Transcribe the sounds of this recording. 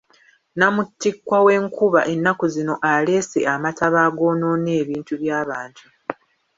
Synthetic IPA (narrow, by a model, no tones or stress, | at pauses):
namutːikwawe̞ːŋkuβa̰ʔe̞nːakuzino̞ʔale̞se̞̰ʔamatʰaβaːɡo̞no̞ːne̞ːβiːntuβjaːβaːntʰu